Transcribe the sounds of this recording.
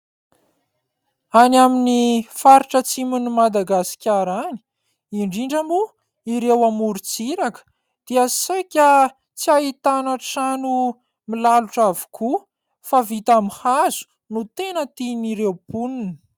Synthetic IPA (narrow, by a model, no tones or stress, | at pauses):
anaminifaɾiʈ͡ʂət͡simunimad̪aɡasi̥kʲaɾani̥ | iɳɖ͡ʐiɳɖ͡ʐambu | iɾewamuɾut͡siɾakə̥ | d̪̥iasajkʲa | t͡siaɦit̪anaʈ͡ʂanu | milaluʈ͡ʂavu̥kʰu | favit̪amihazu̥ | nut̪enət̪iniɾewpuninə̥